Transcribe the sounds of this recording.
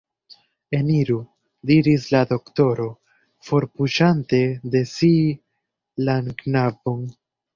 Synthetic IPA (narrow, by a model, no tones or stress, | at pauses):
e̞niɾu | diɾislado̞kto̞ɾo̞ | fo̞ɾpuʃante̞de̞si | lanknabon